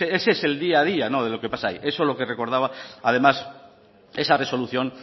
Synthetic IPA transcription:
eesese̞ld̪iað̞ianoð̞elokepasaḭʔe̞so̞lo̞kereko̞ɾð̞aβaað̞e̞mas | e̞sare̞so̞luθjõ̞n

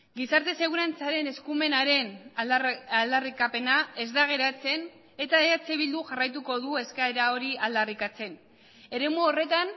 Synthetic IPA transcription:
ɡisaɾt̪e̞se̞ɣ̞uɾant͡saɾe̞ne̞skume̞naɾe̞n | ald̪arikape̞nae̞zd̪aɣ̞e̞ɾat͡se̞n | e̞t̪aeat͡seβild̪uʝarajt̪̬uko̞ðue̞skaeɾao̞ɾiald̪arikat͡se̞n | e̞ɾe̞muore̞t̪an

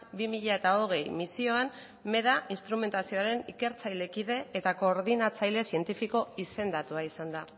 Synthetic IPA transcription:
bimiʎae̞t̪ao̞ɣ̞e̞jmisio̞an | me̞ðaʔinst̪ɾume̞nt̪asio̞aɾe̞nike̞ɾt͡sajle̞kiðe̞ːt̪ako̞ːɾðinat͡sajle̞sie̞nt̪ifiko̞ise̞nd̪at̪uaisand̪a

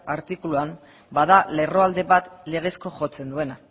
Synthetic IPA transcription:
aɾt̪ikuluam | baðale̞ro̞ald̪e̞βat̪le̞ɣ̞e̞sko̞ʝo̞t͡se̞nd̪ue̞na

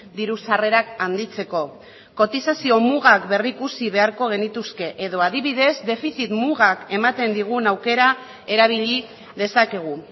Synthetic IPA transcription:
d̪iɾusare̞ɾakand̪it͡se̞ko̞ | ko̞t̪isasio̞muɣakbe̞rikusiβe̞aɾko̞ɣ̞e̞nit̪uske̞ʔeðo̞aðiβiðe̞zd̪e̞fiθit̪muɣake̞mat̪end̪iɣ̞unawke̞ɾa | e̞ɾaβ̞iʎi | ðe̞sake̞ɣ̞u

